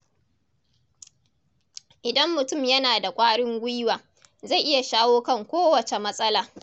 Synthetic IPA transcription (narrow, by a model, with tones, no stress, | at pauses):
ʔɪ˨dɐ˦mːʊ˨tʊ˦˨mjɐ˦naː˨da˨kʷʼaː˦ɽɪ˦ŋɡʷi˦waː˨ | za˦˨jʔɪ˦ja˨ʃaː˦woː˦kɐ˦˨ŋkʷoː˦wɐ˨t͡ʃe˨mɐ˦sʼɐ˦laː˨